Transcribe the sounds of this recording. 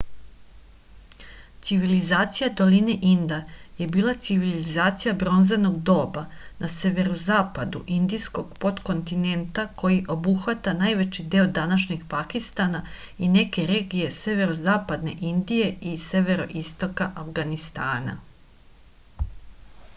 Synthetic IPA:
t̪siʋilizaːt̪sijad̪o̞line̞ʔind̪aje̞biːlˠat̪siʋilizaːt̪sijabɾo̞nzeno̞ɡd̪o̞ːbanase̞ʋe̞ɾozaːpad̪uʔind̪isko̞ɡ̥po̞t̪ko̞nt̪ine̞nt̪ako̞jiʔo̞buxʋat̪anaːjʋe̞t͡ʃid̪e̞od̪anaʃɲiɡpakist̪ana | ine̞ke̞ɾe̞ːɡije̞se̞ʋe̞ɾozaːpad̪ne̞̰ʔind̪ije̞ise̞ʋe̞ɾo̞ʔist̪o̞kaʔafɡanist̪aːna̰

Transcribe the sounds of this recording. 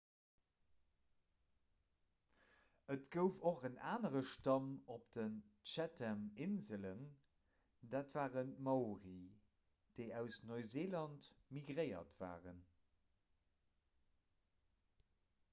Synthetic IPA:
ətɡ̥əʊfoχənaːnəʁəʃtɑmopd̥ənʃætʰɛmɪnzələn | daːtv̥aːʁənmɑʊʁi | d̥əɪæʊsnoɪzeːlɑntmiɡʁəɪɐ̰tv̥a̰ːʁən

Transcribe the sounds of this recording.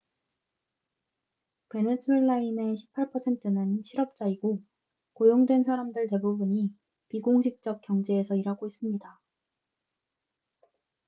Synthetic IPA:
pe̞ne̞sʰue̞ɭːaine̞ɕʰi̥pʰːaɭpʰʌsʰe̞ntʰɯnɯnɕʰiɾʌp̚t͡ɕ͈aiɡo | kojoŋdwe̞nsʰaɾamdɯɭte̞bubuɲi | piɡoŋɕʰik̚t͡ɕ͈ʌk̚k͈jʌŋd͡ʑe̞ːsʰʌiɾɦaɡois͈ɯmɲida

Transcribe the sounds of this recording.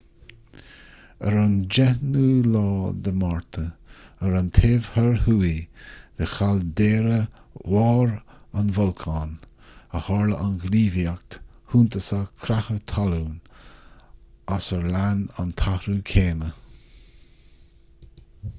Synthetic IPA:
əɾand͡ʒɛhnuːlɔːd̪əmaɹt̪ʰəəɾant̪ʰeːvhəɹhuːid̪̥əxald̪eːɾə | wɑːɾanvɔlkʰaːn | əhɔɹləʔanɡliːvjak̚t̪ | huːnt̪əsakʰɾahət̪ʰalun | asəɹlanant̪ʰahɾuːkʰeːmə

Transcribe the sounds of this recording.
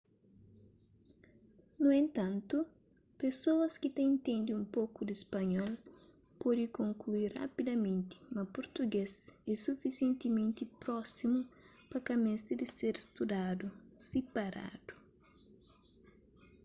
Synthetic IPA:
nuẽnt̪ɐ̃nt̪u | pesoɐskɪt̪ɛ̃nt̪ẽnd̪iũmpokud̪ispɐɲɔl | pɔd̪ikõŋkluiɾa̰pid̪ɐmẽnt̪ɪ̥mɐpoɾt̪uɡesɛsufisiẽnt̪imẽnt̪ipɾɔsimu | pɐkɐmẽst̪ɪd̪ɪseɾst̪ud̪ad̪usepɐɾa̰d̪̥u̥

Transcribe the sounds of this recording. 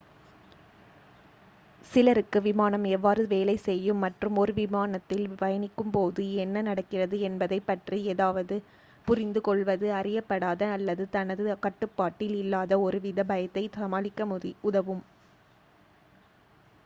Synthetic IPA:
sɪlɐɾɯkːɯʋɪmaːnɐmɛʋːaːɾɯʋeːlɐɪsɛjːɯmːɐʈrɯmɔɾɯʋɪmaːnɐt̪ːɪlʋɐjɐnɪkːɯmpoːðɯɛnːɐnɐɽɐkːɪrɐðɯɛnbɐðɐɪpːɐʈrieːðaːʋɐðɯ | pʊɾɪnd̪ɯkɔɭʋɐðɯɐrɪjɐpːɐɽaːðɐːlːɐðɯt̪ɐnɐðɯkɐʈːɯpːaːʈːɪlɪlːaːðɐɔɾɯʋɪðɐbɐjɐt̪ːɐɪɐmaːlɪkːɐʊðɐʋɯm

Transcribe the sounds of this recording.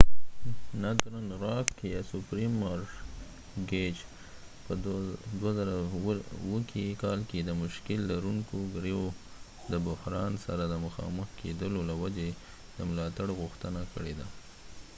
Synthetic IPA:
nat̪ɾanɾɑkkejɑsʊpɾimaɾ | ɡed͡ʒ | pəd̪wazaɾawəkʰekɑlked̪əmʊʃkɪlːaɾuŋkoɡɾejo | d̪əbʊhɾɑnsaɾad̪əməxɑ̰məxkʰed̪əlolawad͡ʒe | d̪̥əmʊlɑt̪aɽɣʊxt̪ənakəɽed̪a

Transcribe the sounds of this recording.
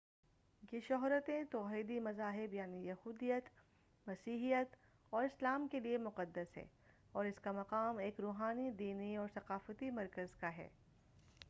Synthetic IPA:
jeʃɔɦɾət̪ẽt̪ɔːɦiːd̪imɐzaːɦɪbjaːnijɐhuːd̪ijət̪ | mɐsiːɦijət̪ | ɔːɾɪslaːmkeliemʊqəd̪ːəsɦɛ̰ː | ɔːɾɪskamɐqaːmeːkɾoːɦaːnid̪iːniɔːɾsɐqaːfət̪imɐɾkəzkaɦɛ̰ː

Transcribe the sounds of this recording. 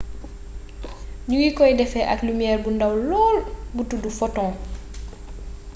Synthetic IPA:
ɲuwikɔjdɛfɛʔaklumijɛːrbundawlɔːlbutudufɔtɔ̃ː

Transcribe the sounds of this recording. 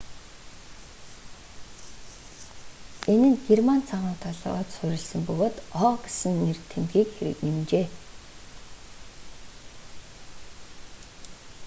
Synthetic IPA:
enɘ̆nɡermant͡sʰaʁʊːt̪ʰaɮ̰ːʁɔ̰ːt͡ɕ̪sʊɾʲɪ̆ɮsə̆mpɵɣoːt̪ɔːɡesɘ̆nːirt̪ʰemxiːkxeɾɘ̰̆knemt͡ɕeː

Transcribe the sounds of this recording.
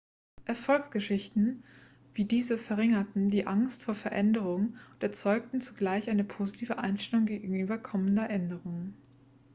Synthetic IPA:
ʔɛɐfɔlksɡ̥əʃɪçtn̩ | v̥iːdiːzəfɛɐʁɪŋɐtn̩diːʔaŋstfoːɐfɛɐʔɛndəʁ̞ʊŋʊntɛɐt͡sɔʏk̚tn̩t͡su̥ɡlaɪçʔaɪnəpʰoːzitʰiːvəʔa̰ɪnʃtɛlʊŋɡeːɡɡŋ̩ʔyːbɐkʰɔməndɐʔɛndəʁʊŋən

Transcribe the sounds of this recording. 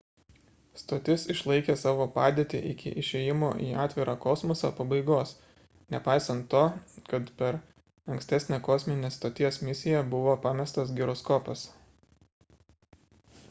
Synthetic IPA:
st̪oːt̪ʲɪsɪʃlˠɐɪkʲeːsɑːʋoːpɑːd̪ʲeːt̪ʲɪ̰ʔɪkʲɪ̰ʔɪʃʲeːjɪmo̰ːʔḭːɑːt̪ʲʋʲɪɾɑːkɔsmɔsɐ̰ːpɐbɐɪɡoːs | nʲɛpɑˑɪsɐnt̪ːoːkɐt̪pʲɛɾ | ɐŋksʲt̪ʲæːsʲnʲeːkɔːsʲmʲɪnʲeːst̪oːt̪ʲiɛsmʲɪsʲɪjɛbʊʋoːpɑːmʲɛst̪ɐsɡʲɪɾɔskɔːpɐs

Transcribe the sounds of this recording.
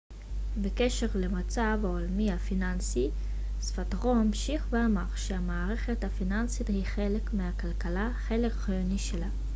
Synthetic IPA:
bekeʃe̞ʁle̞mat͡savaolmihafinansi | sfatʁo̞amʃiχveamaʁʃeamaːʁe̞χe̞thafinansithiχe̞le̞kmehakalkalaχe̞le̞kχajoniʃela

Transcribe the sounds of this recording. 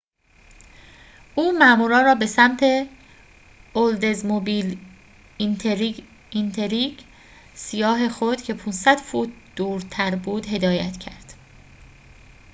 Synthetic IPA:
ʔuːmæʔmuːɾɒːnɾɒːbe̞sæmt̪ʰe̞ | old̪e̞zmobil | int̪ʰeɾi | int̪ʰeɾiɟ | sijɒːɦe̞xod̪̥cʰe̞pʰunsæd̪̥fuːt̪̚ʰd̪̥uːɾt̪ʰæɾbuːd̪he̞d̪ɒːjæ̰t̪ʰcʰæ̰ɾd̪̥

